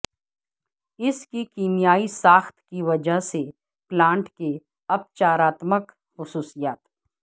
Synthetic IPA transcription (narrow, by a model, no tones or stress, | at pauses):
ɪskikiːnijaːisaːxt̪ʰkiʋɐd͡ʒəɦse | plãːɳʈke | ɐp̚t͡ʃaːɾaːt̪mək | xʊsuːsijaːt̪